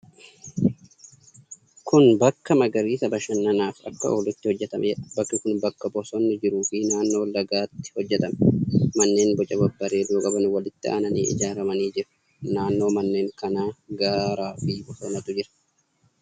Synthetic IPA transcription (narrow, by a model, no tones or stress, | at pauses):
kʊnbɐkːɐmɐɡɐɾiːsɐbɐʃɐnːɐnaːfɐ̰kːɐo̰ːlɪt̪ːɪhɔd͡ʒːɛt̪ɐmʔɛbɐkːɪkʊnbɐkːɐbɔsɔnːɪd͡ʒɪɾuːfiːnaːnːo̞ːlːɐɡaːt̪ːɪ̥hɔd͡ʒːɛt̪ɐmɛ̥mɐnːe̞ːnbɔt͡ʃʼɐbɐbːɐɾeːd̪uːkʼɐbɐnʊwɐlɪt̪ːɪʔa̰ːnɐniːʔɪ̰d͡ʒaːɾɐmɐniːd͡ʒɪɾɐ̥ | naːnːo̞ːmɐnːe̞ːŋkɐnaːɡaːɾaːfiːbɔsɔːnɐt̪ʊd͡ʒɪɾɐ̥